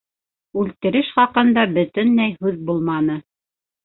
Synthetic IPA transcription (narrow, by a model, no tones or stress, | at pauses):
ʉlt̪ɘ̆ɾɘʃχɑqɤ̆nd̪ɑbɵ̆t̪ɵnːæjɦʉðbulˠmɑnɤ